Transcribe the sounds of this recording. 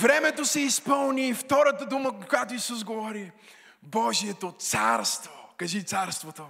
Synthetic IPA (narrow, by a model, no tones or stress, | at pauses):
vɾɛmɛt̪osɛispɤlˠniːft̪ɔɾət̪əd̪uməkkojat̪oisuzɡovɔɾi | bɔʒiɛt̪ot̪saɾst̪vokɐʒit̪saɾst̪vot̪o